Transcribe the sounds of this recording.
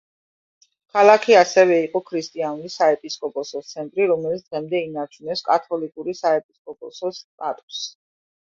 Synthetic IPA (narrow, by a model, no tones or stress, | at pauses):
kʰalˠakʰiasɛvɛiqʼɔkʰɾist̪ʼianulisaɛpʼiskʼɔpʼɔsɔt̪sʰɛnt̪ʼɾiɾɔmɛlit̪sd̪̥ʁɛmd̪ɛinaɾt͡ʃʰunɛpskʼat̪ʰɔlikʼuɾisaɛpʼiskʼɔpʼɔsɔst̪ʼat̪ʼu̥s